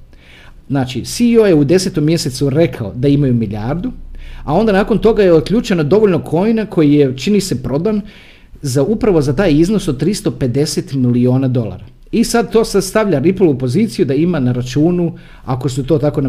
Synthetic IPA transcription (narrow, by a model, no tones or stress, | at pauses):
znaːt͡ʃisiojeud̪e̞set̪o̞mːje̞se̞t̪suɾe̞kʰaod̪aimajumiʎʲaɾd̪uao̞nd̪anaːko̞nt̪o̞ɡajeot̪̚kʎʲut͡ʃenad̪o̞ʋo̞ʎno̞kʰo̞jnakʰo̞jijet͡ʃinise̞pɾo̞d̪an | zaupɾaʋo̞zat̪aːjiznosod̪̚t̪ːɾist̪o̞pe̞d̪e̞set̪milio̞ːnad̪o̞lˠa̰ɾa | isad̪̚t̪o̞ːsast̪aʋʎʲaɾiplˠopo̞ziːt̪sijud̪aimanaɾat͡ʃuːnu | ako̞sut̪o̞ːt̪ako̞n